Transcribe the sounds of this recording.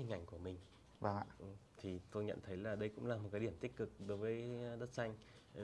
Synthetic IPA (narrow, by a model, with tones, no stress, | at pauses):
i˨˩ŋ̟ʔa˧˩jŋ̟ku˧˩əmï˨˩ŋ̟ | va˧˩ʔɨ˨˩t̪ʰi˨˩t̪o˧jɲə̰˧˨nt̪ʰə˨˦jlaː˨˩ɗə˧jkʊ̰˧˥ŋ͡mlaː˨˩mo˨˩t̚kaː˨˦jɗi˧˩əmt̪i˦˥k̟̚kɨ˨˩k̚ɗo˨˦jvəː˨˦jɗə˦˥t̚sa˧jŋ̟